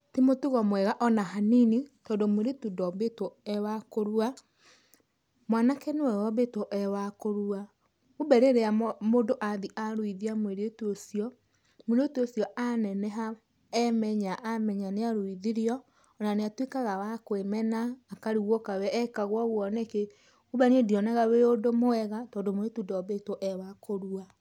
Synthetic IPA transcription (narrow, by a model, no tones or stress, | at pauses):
timotuɣɔmwɛɣaʔɔnaɦaninitɔːndomueɾetudɔbetwɔɛwakoɾua | mwanakɛneɛwɔbetwɔʔɛwakoɾua | obɛɾeɾeamondoʔaðiʔaɾwiðiamoeɾetuosiɔ | moɾeotuosiɔʔanɛnɛɦa | ɛmɛɲaʔamɛɲaneaɾoiðiɾiɔ | naneatwekaɣawakwemɛnaːkaɾiɣwɔkawɛːkaɣwɔɣwɔnɛke | uβaniediɔnaɣaweodomoɛɣatɔːndomoɾetudeɔbetwɔʔɛwakoɾua